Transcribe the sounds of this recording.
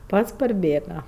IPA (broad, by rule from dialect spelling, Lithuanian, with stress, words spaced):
ˈpɐts pɐrʲˈbʲeːɡɐ